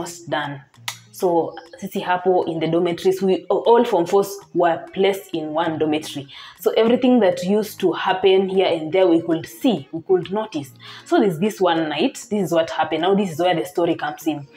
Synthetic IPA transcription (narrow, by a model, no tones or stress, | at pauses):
sdãn | soʊsisihapoɪ̃nðɨdɔmɨtɹiswiʔɔlˠfɹɔ̃ɱfɔswə˞pʰlestɪ̃nwʌ̃ndɔmɛtɹ̥isoʔɛvɹiθɪ̃ŋðɨtjustʰuhæpɨ̃nhiɹɨ̃nðə˞wikudsiwikudnoʊtissoʊðɪzðɪswʌ̃nːaɪtðɪsɨzwʌthæpɨ̃nːaʊðɪs̬ɨzwɛ˞ðɨstɔɹikʰʌ̃mz̥ɪ̃n